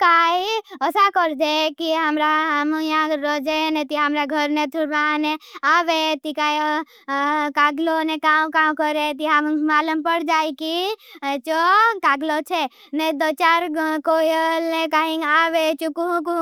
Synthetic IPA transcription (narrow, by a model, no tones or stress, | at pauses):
kaːiəsakəɾd̪ekiɦəmɾaɦmũjãɾɔd͡ʒenet̪iɦəmɾaɡʱəɾnet̪ʰuɾɾaneaːʋet̪ikai | kaːɡlonekaːwkaːmkəɾet̪iɦamũmaːləmpəɽd͡ʒaːikit͡ʃokaːɡlot͡ʃʰe | ned̪ət͡ʃaɾkojəlnekaɦĩaːʋet͡ʃukũku